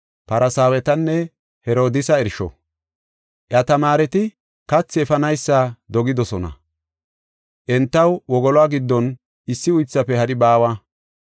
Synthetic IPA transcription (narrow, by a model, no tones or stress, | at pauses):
pɐɾʔɐsaːwɛt̪ɐnːɛ | hɛɾo̞ːd̪ɪsɐɛɾʃɔ̰ | ʔjɐt̪ɐmaːɾɛt̪ɪ | kɐt͡sːɪɛfɐnɐjsːaːd̪ɔɡɪd̪ɔsɔnɐ̰ | ʔɛnt̪ːɐwwɔɡɔlɔaːɡɪd̪ːɔn | ɪsːɪʊjt͡sːɐpɛhɐɗɪbaːwa